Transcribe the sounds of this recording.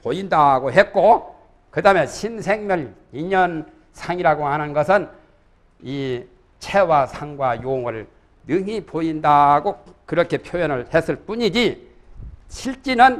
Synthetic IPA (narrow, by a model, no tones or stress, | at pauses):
poindaɡoɦet̚k͈o | kɯdameɕʰinsʰe̞ŋmjʌl | iɲʌn | sʰaŋiɾaɡoanɯnɡʌsʰɯn | i | t͡ɕʰewasʰaŋɡwajoŋɯɭ | nɯŋipoindaɡokɯɾʌkʰe̞pʰjojʌnɯɭhesʰɯɭp͈uɲid͡ʑi | ɕʰiɭt͡ɕ͈inɯn